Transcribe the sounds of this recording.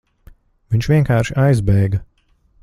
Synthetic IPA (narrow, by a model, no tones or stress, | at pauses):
viɲʲt͡ʃvʲiɛŋkaːɾʃiʔajzbɛjɡɐ